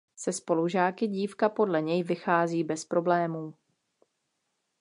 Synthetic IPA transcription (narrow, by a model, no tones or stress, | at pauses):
sɛspo̞luʒaːkɪɟiːfkapo̞dlɛɲɛjvɪxaːziːbɛspɾo̞blɛːmuː